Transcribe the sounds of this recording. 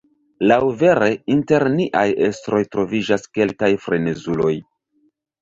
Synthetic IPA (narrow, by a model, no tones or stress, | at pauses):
lawve̞ɾe̞inte̞ɾniʔaje̞stɾo̞jtɾo̞vid͡ʒaske̞lkajfɾe̞ne̞zulo̞j